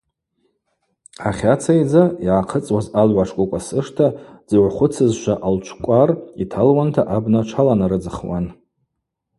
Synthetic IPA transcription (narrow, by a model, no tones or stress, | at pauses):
aχʲat͡sʰajd͡zajaʕaqʰət͡sʼwazalʕʷaʂkʷʼʊkʷʼasɨʂtʰad͡zɨʕʷχʷʊt͡sʰɨzʃʷaʔalt͡ʃʷʰkʷʼaritʰalwantʰaʔabnat͡ʃʷʰalanaɾɨd͡zɨχwa̰n